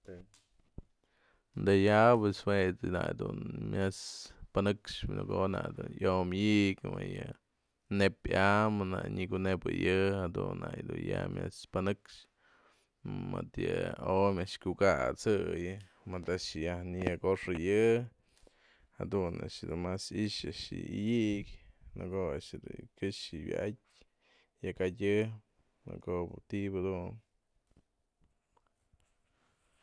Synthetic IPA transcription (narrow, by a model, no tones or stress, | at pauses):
t̪e | nd̪ejapeswet̪ɨnajd̪unmʲaspanɨkʂno̰konad̪unjomiʔkmɨjɨ | nepamana̰ɲikunebɨjɨhad̪unːajd̪unjamʲaspanɨkʂ | mat̪jɨomʲaʔʂkʲukat͡sɨjɨ | mɨd̪aʔʂjahnijakoʂɨjɨ | ha̰d̪una̰ʔʂɨd̪unmasiʔʃaʔʂɨ̰ijikʲnɨkoaʔʃd̪ukʲɨʂɨwʲat̚ʲ | jakatʲɨ | nɨ̰kobt̪ibɨd̪un